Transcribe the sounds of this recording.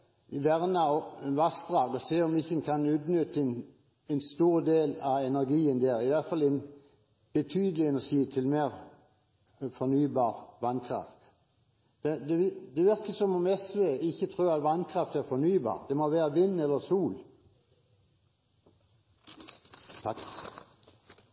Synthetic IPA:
ʋæʁnɑɔʋɑsd̪ʁɑːɡɔseːɔmɪçənkʰɑnʉːt̪nʏt̪n | ɛnst̪uːɾd̪eːlɑɛnæʁɡiːənd̪eːɾɪʋæʁt̪fɑlːɛɪn | b̥ət̪ʰyːd̪əlɪɛnæʃiːt̪ʰɪlmeːʁ | fɔnyːbɑːʁʋɑnkʰʁɑ̰ft̪ | d̪̥ɛd̪ɛɪd̪ɛʋɪʁkəsɔmɔmɛsʋeːɪçːət̪ʰʁʉːɾɑt̪ʋɑnkʰʁɑft̪æʁfɔnyːbɑ̰ːʁd̪ɛmoʋeːʁəʋɪnːɛlːəsuːl | t̪ʰɑk

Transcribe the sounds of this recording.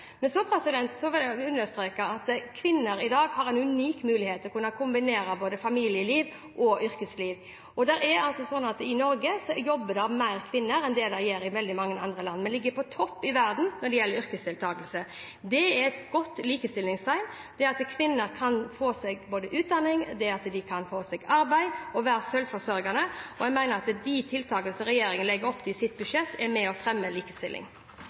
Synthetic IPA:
mɛnsɔpʰɾɛsɪd̪ɛnt̪sɔʋɪlɛʉnːəst̪ɾeːkɑɑt̪kʰʋɪnːəɾɪd̪ɑːɡhɑɾɛnʉniːkmʉːlɪheːt̪ːɛlɔkʉnːɑkʰʊmbɪneːɾɑboːd̪əfɑmiːlɪjəliːʋ | ʔɔʔʏɾkəsliːʋ | ɔd̪æɾæɾɑlsɔsɔnːɑt̪ɪnɔɾɡəsɔjɔbːəd̪ɛɑʋmæɪɾkʰʋɪnːəɾɛnd̪ɛd̪ɛjeːɾɪʋɛld̪ɪmɑŋːəɑnd̪ʁəlɑnːmɛnlɪɡːəpʰɔt̪ʰɔpːɪʋæɾd̪n̩nɔɖɛjɛlːəɾʏɾkəst̪ɪlt̪ʰɑːɡəlsə | d̪ɛæɛt̪ɡ̥ɔt̪ːliːkəst̪ɪlːɪŋst̪ʰæɪn | d̪̥ɛɑt̪kʰʋɪnːəɾkʰɑnfoːsɛɡboːd̪əʔʉːt̪̚d̪ɑnːɪŋd̪ɛɑt̪d̪ɪkʰɑnfoːsɛɡɑɾbæɪɔʋæːɾəsœlfɔsœɾɡɑnəɔjɛɡmæɪnəɾɑt̪d̪it̪ʰɪlt̪ʰɑːɡələsɔɾɛjeːɾɪŋənəlɛɡəɾɔpːt̪ʰɪsɪt̪̚bʉʂɛt̪ːɛmɛɔfɾɛmːəliːkəst̪ɪlʔɪ̰ŋ

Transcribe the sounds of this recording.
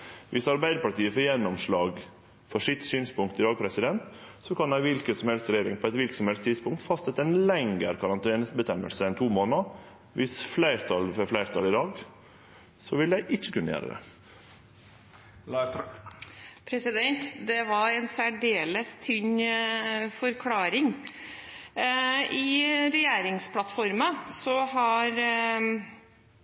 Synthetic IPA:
ʋʔɪsɑɾbæɪd̪əpɑʈiːəfɔjɛnːɔmʂɭɑːɡ | fɔʂɪt̪syːnspʊŋkt̪ɪd̪ɑːɡ̚pʰɾɛsɪd̪ɛnt̪sɔkʰɑnæɪʋɪlkəsɔmhɛlsɾɛjeːɾɪŋpʰɔɛt̪ʋɪlksɔmhɛlst̪ʰɪd̪spʊŋk̚t̪fɑst̪sɛt̪ːəæɪnlɛŋɡəɾkʰɑɾɑnt̪ɛːnəsbət̪ɛmːə̰lsəɛnt̪ʰuːmoːnə | ʋɪsflæɪɾt̪ʰɑlfɔflæɪɾt̪ʰɑlɪd̪ɑːɡ | sɔʋɪləd̪æɪʔɪt͡ʃːəkʉnə̰jæ̰ːɾə̰d̪ɛ̰ | pʰɾɛsɪd̪ɛnt̪d̪ɛʋɑɾɛnsæɖeːləst̪ʰʏɲ | fɔɾkʰlɑːɾɪŋ | ɪɾɛjeːɾɪŋspʰlɑt̪fɔɾməsɔɦɑɾ

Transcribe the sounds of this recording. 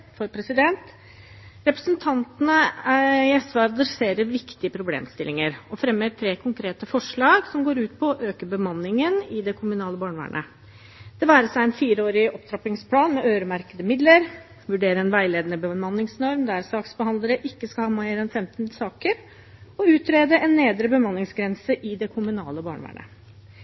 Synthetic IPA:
fɔɾpʰɾɛsɪd̪ɛnt̪ | ɾɛpɾəsənt̪ʰɑnt̪ənəæɛsʋɑɾɑd̪ɾɛseːɾəɾʋɪkt̪ɪəpʰɾʊblḛːmst̪ɪlːɪŋəɾɔfɾɛmːət̪ʰɾeːkʰʊŋkʰɾeːt̪əfɔʂɭɑːɡsɔmɡoːɾʉːt̪pʰɔːʔøːkəbəmɑnːɪŋənɪd̪ɛkʰʊmʉnɑːləbɑːɳəʋæ̰ːɳʔə̰ | d̪̥ɛʋæːɾəsæɪɛnfiːɾəoːɾɪɔpt̪ʰɾɑpɪŋspʰlɑːnmɛʔøːɾəmæɾkəd̪əmɪd̪ləɾ | ʋʉɖeːɾəɛnʋæɪleːd̪ənəbəmɑnːɪŋsnɔɾmd̪æɾsɑːksbəhɑnd̪ləɾəʔɪkːəskɑlhɑːmæɪɾɛnfɛmt̪nsɑːkəɾ | ɔʉːt̪ɾeːd̪əɛnːeːd̪ɾəbəmɑnːɪŋsɡɾɛnsəʔɪd̪ɛkʰʊmʉnɑ̰ːləbɑ̰ːɳʋæ̰ːɳə̰

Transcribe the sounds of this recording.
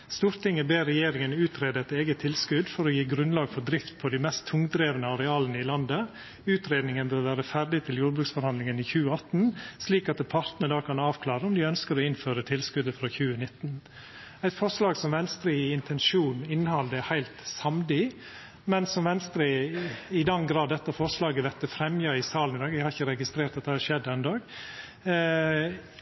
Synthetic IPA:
st̪uːɾt̪ʰɪŋːəbeːɾːɛjeːɾɪŋənʉːt̪ʰɾeːd̪əɛt̪eːɡət̪ʰːɪlskʉd̪fɔɾɔjiːɡɾʉnlɑːɡfɔɾd̪ɾɪft̪̚pʰɔd̪æɪmɛst̪ʰːʊŋd̪ɾeːʋənəɑɾɛɑːlənəɪlɑnd̪ə | ʉːt̪ɾeːd̪nɪŋənbøːɾʋæːɾəfæɾɖɪt̪ʰɪljuːɾbɾʉksfɔɾhɑnd̪lɪŋənɪçʉːəɑt̪n̩sliːkɑt̪ɛpʰɑɾt̪nəd̪ɑːkʰɑnɑːʋkʰlɑːɾəɔmd̪ɪœnskəɾɔɪnføːɾət̪ʰɪlskʉd̪əfɾɑːçʉːənɪt̪ːn | æɪt̪fɔɾʂlɑːɡsɔmʋɛnst̪ɾiːɪnt̪ʰɛnʂuːnɪnːhɑld̪əhæɪlt̪sɑmd̪ɪ | mɛnsɔmʋɛnst̪ɾiːɪd̪ɑnɡɾɑːd̪ːɛt̪ːəfɔɾʂlɑːɡəʋɛt̪ːəfɾɛmjɑɪsɑːlnɪd̪ɑːɡɛɡhɑɾɪçːəɾɛɡɪst̪ɾeːɾt̪ɑt̪d̪ɛhæʂɛd̪ːəɛnd̪ɑːɡ

